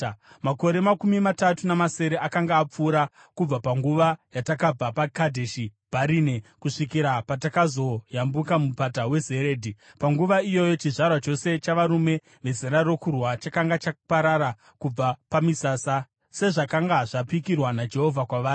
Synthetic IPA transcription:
mako̞ɾe̞makumimatatunamase̞ɾe̞ʔakaŋɡaːp͡fuːɾa | kub͡vapaŋɡuʋajatakab͡vapakadʱeʃibʱaɾiːnekuʂikiɾapatakazo̞jambukamupatawe̞ze̞ɾeːdʱipaŋɡuʋaijo̞jo̞t͡ʃiʐarwat͡ʃo̞se̞t͡ʃaʋaɾume̞ | ʋe̞zeɾaro̞kurwat͡ʃakaŋɡat͡ʃapaɾaɾa | kub͡vapamisaːsa | se̞ʐakaŋɡaʐapikirwanad͡ʒe̞ɦo̞vʱakwaʋaːi

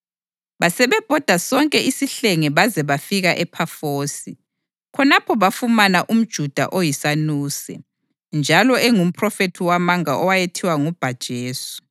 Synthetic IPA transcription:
βasɛβɛb̥ʱɔd̥ʱasɔŋkʼɛisiɬeŋɛβazɛβafiɣaʔɛpʰafoːsi | kʰɔnapʰɔβafumanaʔum̩d̥ʒ̥ʱud̥ʱa̰ʔojisanuːsɛ̰ | nd͡ʒʱalɔɛŋum̩pʰʼrɔfetʰiwamaŋaʔɔwajetʰiwaŋub̥ʱad̥ʒ̥ʱeːsu̥

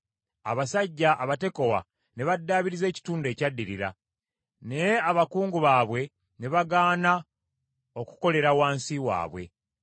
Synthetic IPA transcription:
a̰βasaɟːaʔːβate̞ko̞wa̰ | ne̞βadːaːβiɾize̞ːci̥tuːnde̞ːcadːiɾiɾa̰ | nejeaβakuːŋɡuβaːβwe̞ | ne̞βaɡaːna | o̞ku̥ko̞le̞ɾawaːnsiwa̰ːβwe̞̰

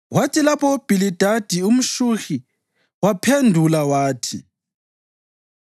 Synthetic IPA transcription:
watʰilapʰɔob̥ʱilid̥ʱad̥ʱium̩ʃuxi | wapʰendʱulawaːtʰḭ

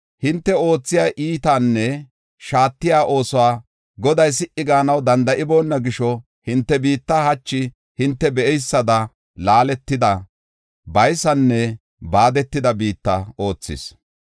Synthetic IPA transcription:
hɪnt̪ːɛo̞ːt͡sːɪjaːʔiːt̪aːnːɛ | ʃaːt̪ːɪjaːʔo̞ːsɔwaː | ɡɔd̪ɐjs̬ɪʔɪɡaːnɐwd̪ɐnd̪ɐʔɪbo̞ːnːɐɡɪʃɔ | hɪnt̪ːɛbiːt̪ːahɐt͡ʃːɪ | hɪnt̪ːɛbɛʔɛjsːɐd̪ɐ | laːlɛt̪ːɪd̪ɐ | bɐjsɐnːɛ | baːd̪ɛt̪ːɪd̪ɐbiːt̪ːɐo̞ːt͡sːɪ̰s

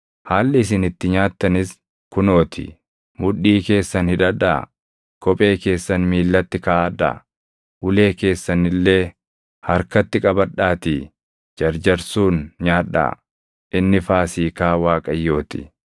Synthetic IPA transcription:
haːlːɪɪs̬ɪnɪt̪ːɪɲaːt̪ːɐnɪs | kʊno̞ːt̪ʰɪ̰ | mʊᶑːiːke̞ːsːɐnhɪᶑɐᶑa̰ː | kʰʼɔpʼe̞ːke̞ːsːɐnmiːlːɐt̪ːɪkaːʔɐᶑa̰ː | ʊle̞ːke̞ːsːɐnɪlːe̞ː | hɐɾkɐt̪ːɪkʼɐbɐᶑaːt̪i | d͡ʒɐɾd͡ʒɐɾsuːnɲaːᶑa̰ː | ʔɪnːɪfaːsiːkaːwaːkʼɐjːo̞ːt̪ɪ̥̰

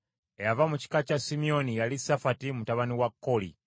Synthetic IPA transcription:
ejavamuci̥kacasimio̞nijalisafatimutaβaniwakːo̞lḭ

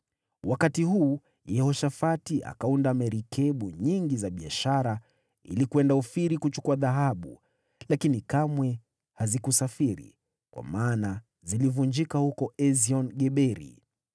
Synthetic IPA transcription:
wʔakatihuː | jɛhɔʃafatiʔa̰kaundamɛɾikʰɛɓuɲiŋɡizaɓiaʃaɾa | ḭlikuɛndaufiɾikut͡ʃu̥kuaðaɦaɓṵ | lakinikamwɛ | hazikusafiɾḭ | kwa̰maːna | zilivund͡ʒikahukɔɛziɔnɡɛɓɛɾḭ

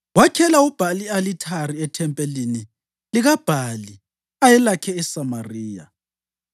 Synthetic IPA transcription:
wakʰɛlaub̥ʱalialitʰariɛtʰɛmpʼelini | liɣab̥ʱali | ajɛlakʰɛːsamariːja

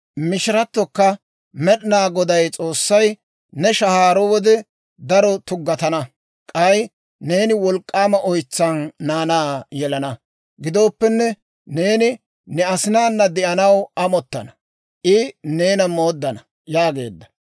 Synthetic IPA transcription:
mɪʃɪɾɐt̪ːɔkːɐ | mɛɗɪnaːɡɔd̪ɐjt͡sʼo̞ːsːɐj | nɛʃɐhaːɾɔwɔd̪ɛ | d̪ɐɾɔt̪ʊɡːɐt̪ɐnɐ | kʼɐj | ne̞ːnɪwɔlkʼːaːmɐʔɔjt͡sːɐnːaːnaːjɛlɐnɐ | ɡɪd̪o̞ːpːɛnːɛ | ne̞ːnɪ | nɛɐsɪnaːnːɐd̪ɛʔɐnɐwɐmɔt̪ːɐ̰nɐ̥ | ʔɪne̞ːnɐmo̞ːd̪ːɐnɐ | jaːɡe̞̰ːd̪ːɐ̥

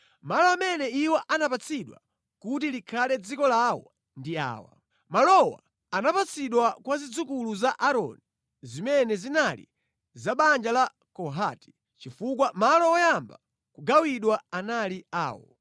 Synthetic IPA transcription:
malɔamɛnɛiwɔʔanapat͡sʰiɗwa̰ | kutilikʰalɛd͡zikɔlawɔ̰ | ndia̰ːwa̰ | malɔwa̰ː | napat͡sʰiɗwakwazid͡zukuluzaʔaɾɔ̰ni | zimɛnɛzinalḭ | zaɓand͡ʒala | kɔɦati̥ | t͡ʃifuk̬wamalɔɔjamba | kuɡawiɗwaanaliaːwɔ̰

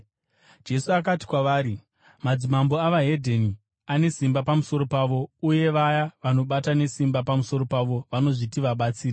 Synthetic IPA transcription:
d͡ʒe̞suak̬ati̥kwaʋaːɾi | mad͡zimambo̞aʋaɦe̞dʱeni | ane̞simbapamuso̞ɾo̞paːʋo̞uje̞ʋajaʋano̞ɓatane̞simbapamuso̞ɾo̞paʋo̞ʋano̞ʐitiʋaɓat͡siːra

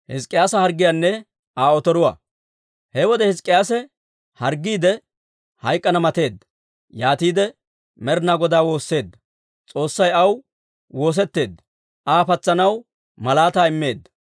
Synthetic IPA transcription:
hɪskʼːɪjaːsɐhɐɾɡːɪjanːɛ | aːɔt̪ɔɾʊwɐ̰ː | hɛwɔd̪ɛhɪskʼːɪjaːsɛ | hɐɾɡːiːd̪ɛ | hɐjkʼːɐnɐmɐt̪e̞ːd̪ːɐ̥ | jaːt̪iːd̪ɛ | mɛɾnaːɡɔd̪aːwo̞ːsːe̞ːd̪ːɐ̥ | t͡sʼo̞ːsːɐjɐw | wo̞ːs̬ɛt̪ːe̞ːd̪ːɐ | ʔaːpɐt͡sːɐnɐw | mɐlaːt̪aːɪmːe̞ːd̪ːɐ̥

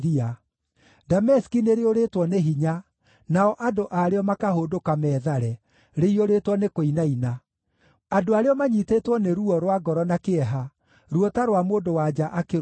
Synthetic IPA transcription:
ia | damɛskineɾeoɾetwɔneɦiɲa | naɔʔadoʔaɾeɔmakahoːdokamɛːðaɾɛ | ɾeioɾetwɔnekoinaina | adoaɾeɔmaɲitetwɔneɾuɔɾwaɡɔɾɔnakeɛɦa | ɾuɔtaɾwamoːndowad͡ʒaʔake

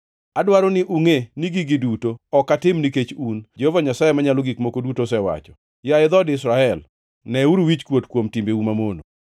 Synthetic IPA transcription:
adwaɾonɪʔuŋeniɡiɡɪdutoɔkatɪmniket͡ʃund͡ʒehovaɲasajemaɲaloɡikmokodutosɛwa̰t͡ʃɔ̥ | jaɪd̪ɔdɪsɾaɛl | nɛuɾuwit͡ʃkwotkwomtimbeumamono

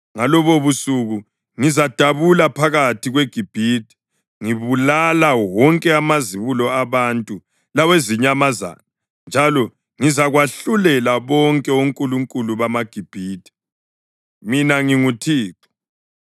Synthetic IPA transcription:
ŋalɔβoβusuɣu | ŋizad̥ʱaβulapʰaɣatʰiɣweɡ̥ʱib̥ʱiːtʰʼi̥ | ŋiβulalawɔŋkʼɛamaziβulɔaβantʼu | laweziɲamaza̰na | nd͡ʒʱalɔ | ŋizaɣwaɬulɛlaβɔŋkʼɛoŋkʼuluŋkʼuluβamaɡ̥ʱib̥ʱiːtʰʼi̥ | minaŋiŋutʰiːǁɔ̥

